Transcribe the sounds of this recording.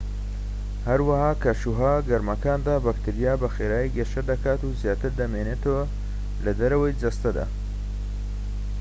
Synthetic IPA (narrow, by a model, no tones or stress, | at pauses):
hɐɾwahaːkɐʃuɦaːɡɐɾmɐkaːnd̪aːbɐkt̪ɨɾijaːbɐxeːɾaːjiɡeʃɐd̪ɐkaːt̪uzjaːt̪ɨɾd̪ɐmeːneːt̪əwa | lɐd̪ɐɾɐwɐjd͡zɐst̪ɐd̪a̰ː